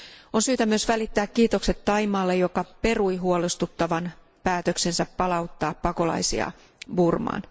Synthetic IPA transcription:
onsyːt̪æmyø̞sʋælit̪ːæːkːiːt̪o̞kse̞t̪ːɑjmɑːlːejo̞kɑpe̞rujɦuolest̪ut̪ːɑʋɑn | pæːt̪økse̞nsæpːɑlɑut̪ːɑːppɑko̞lɑ̰jsḭɑ̰ | burmɑ̰ːn

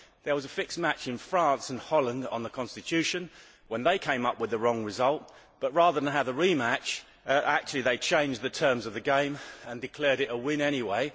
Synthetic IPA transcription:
ðə˞wʌzəfɪksmæt͡ʃɨ̃nfɹɑ̃nsə̃nhɑlˠə̃ndə̰̃nðəkʰɑ̃nstɨtʰʉʃɨ̃n | wə̃nðeɪkʰẽɪ̃mʌpwɨðəɹɔ̃ŋɹɨzʌlˠt̚ | b̥ʌt̚ɹɑðə˞ðə̃nɦavəɹimæt͡ʃ | ʔæk̚t͡ʃʉl̩ˠiðeɪt͡ʃʰẽɪ̃nd͡ʒðɨtʰɜ̃˞mzʌvðɨɡẽɪ̃mə̃ndɨkʰl̥ɛɹɾɨɾəwɪ̃nɛñiweɪ

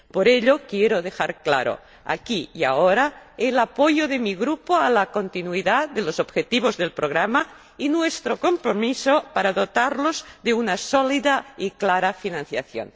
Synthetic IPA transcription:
poɾeʎokjeɾoðexaɾkla̰ɾo̰ | a̰kija̰oɾaelapojoðemiɣ̞ɾupoalakont̪inuiðad̪elosobxet̪iβ̞ozðelpɾoɣ̞ɾama | inwest̪ɾokompɾomisopaɾaðot̪aɾlozðeunasoliðaiklaɾafinãn̟θjaθjo̰n

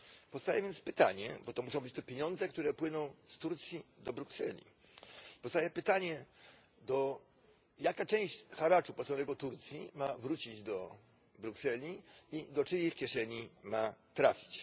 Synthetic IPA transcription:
pɔfst̪ajɛvʲjɛnt̪spɘt̪a̰ɲɛ̰bɔt̪ɔmuʂɔ̃w̃bɘt͡ɕt̪ɛpʲjeɲɔ̃nd̪zɛk̚t̪uɾɛpwɘnɔ̃w̃st̪uɾt̪sʲjid̪ɔbɾuksɛ̰lʲḭ | pɔfst̪ajɛpɘt̪aɲɛ | d̪ɔ | jakat͡ʂɛ̃w̃ɕt͡ɕxaɾat͡ʂupɔsanɛɡɔt̪uɾt̪sʲjimavɾut͡ɕid͡ʑd̪ɔ | bɾuksɛlʲiid̪ɔt͡ʂɘjixkʲjɛʂɛɲimat̪ɾafʲi̥t͡ɕ

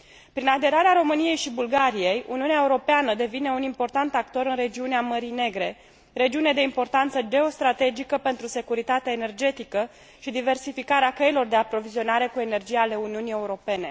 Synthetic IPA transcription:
pɾinad̪e̞ɾaɾeaɾo̞mɨnije̞jʃibulɡaɾije̞jṵniuneaeuɾo̞peanəd̪e̞vine̞unimpo̞rt̪ant̪ak̚t̪o̞ɾɨnre̞d͡ʒiuneaməɾine̞ɡɾe̞ | ɾe̞d͡ʒiuned̪e̞impo̞rt̪ant̪səd͡ʒe̞o̞st̪ɾat̪e̞d͡ʒikəpe̞nt̪ɾuse̞kuɾit̪at̪eaene̞rd͡ʒe̞t̪ikə | ʃid̪ive̞rsifikaɾeakəilo̞rd̪e̞apɾo̞vizio̞naɾe̞kue̞ne̞rd͡ʒijale̞uniunije̞uɾo̞pe̞ne̞

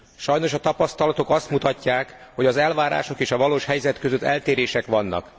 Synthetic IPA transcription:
ʃɒjno̞ʃɒt̪ɒpɒst̪ɒlɒt̪o̞kɒst̪mut̪ɒcːaːkho̞ɟɒzɛlvaːɾa̰ːʃo̞keːʃɒvɒloːʃhɛjzɛt̪køzøt̪ːɛlt̪eːɾeːʃɛkʋɒnːɒ̰k

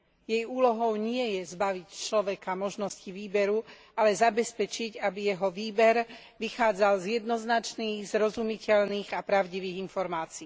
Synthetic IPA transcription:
jɛjuːlɔɦɔʊɲɪɛjɛzbaʋict͡ʃlɔʋɛkamɔʒnɔsciʋiːbɛɾu | alɛzabɛspɛt͡ʃiɟabijɛɦɔʋiːbɛɾ | ʋixaːd͡zalzjɛd̪nɔznat͡ʃniːɣzɾɔzumicɛʎniːɣapɾaʊɟiʋiːɣinfɔɾmaːt͡siː

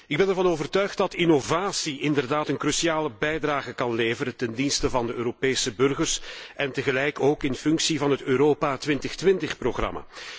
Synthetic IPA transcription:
ɪɡ̚bɛnɛrvɑnoːvərtœɥxt̚dɑtinovaːsiʔɪndərdaːtənkrysiaːləbɛjdraːɣəkɑnleːvəɾətɛndinstəvɑndəøːɾopeːsəbɵrɣərsɛntəɣəlɛjkoːkɪnfʏŋksivɑnɦətøːɾoːpaːtʋɪntəxtʋɪntəxproɣrɑ̰ma̰ː

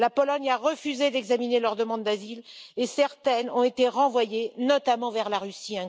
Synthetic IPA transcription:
lapɔlɔɲaʁəfyzed̪ɛɡzaminelœʁd̪əmɑ̃d̪ːazilesɛʁt̪ɛnɔ̃et̪eʁɑ̃vwajenɔt̪amɑ̃vɛʁlaʁysiɛ̃

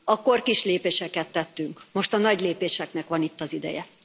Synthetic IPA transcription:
ɒko̞rkiʃleːpeːʃɛkɛt̪ːɛt̪ːyŋkmo̞ʃt̪ɒnɒɟleːpeːʃɛknɛkʋɒnit̪ːɒzid̪ɛ̰jɛ̰

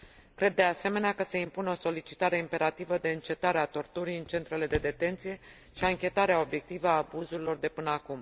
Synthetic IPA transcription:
kɾe̞d̪ːease̞me̞neakəse̞impuneo̞so̞lit͡ʃi̥t̪aɾe̞impe̞ɾat̪ivəd̪e̞ɨnt͡ʃe̞t̪aɾeat̪o̞rt̪uɾijɨnt͡ʃe̞nt̪ɾe̞le̞d̪e̞d̪e̞t̪e̞nt̪sije̞ | ʃiaɨŋkʲe̞t̪aɾeao̞bje̞k̚t̪ivəaːbuzuɾilo̞rd̪e̞pɨnəakum

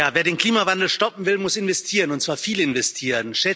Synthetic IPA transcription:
aːveːɐdeːnkl̥iːmavandl̩ʃtɔpm̩vɪlmʊsɪnvɛstʰiːʁənʊntsv̥aːɐfiːlɪnvɛstʰiːʁənʃɛ

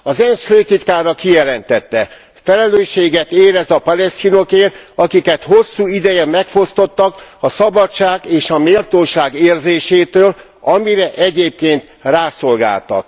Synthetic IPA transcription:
ɒzɛnsføːt̪it̪kaːɾɒkijɛlɛnt̪ɛt̪ːɛ | fɛlɛløːʃːeːɡɛt̪eːɾɛzɒpɒlɛst̪ino̞keːrɒkikɛt̪ho̞sːuːid̪ɛjɛmːɛkfo̞st̪o̞t̪ːɒkɒsɒbɒt͡ʃːaːɡeːʃɒmeːlt̪oːʃaːɡeːrzeːʃeːt̪øːl | ɒmiɾɛʔɛɟeːp̚keːnt̪ | raːso̞lɡa̰ːlt̪ɒ̰k̚

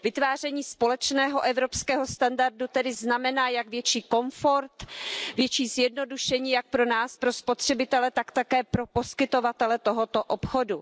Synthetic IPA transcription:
vɪt̪vaːr̝ɛɲiːspo̞lɛt͡ʃnɛːɦo̞ʔɛvɾopskɛːɦo̞st̪andardut̪ɛdɪznamɛnaːjaɡvjɛt͡ʃiːko̞ɱfoɾt̪vjɛt͡ʃiːzjɛdno̞duʃɛɲiːjak̚pɾo̞naːspɾospo̞t̪r̝̥ɛbɪt̪ɛlɛt̪akt̪akɛːpɾo̞po̞skɪt̪o̞vat̪ɛlɛt̪o̞ɦo̞t̪oʔopxo̞du

